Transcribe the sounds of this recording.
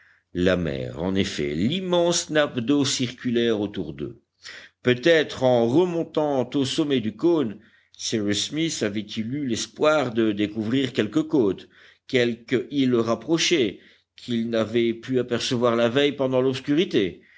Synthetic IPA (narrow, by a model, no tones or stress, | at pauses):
lamɛ̰ːʁɑ̰̃nefɛ̰limɑ̃snapd̪osiʁkʲylɛʁot̪uʁd̪ø̰ | pøt̪ɛt̪χɑ̃ʁəmɔ̃t̪ɑ̃t̪osɔmɛd̪ykon | sɛʁysmisavɛt̪ʰilylɛspwaʁd̪əd̪ekuvʁiʁkʲɛlkəkot̪ | kʲɛlkəʔiləʁapχɔʃɛ | kʰilnavɛpyapɛʁsəvwaʁlavɛjpɑ̃d̪ɑ̃lɔpskʲyʁit̪e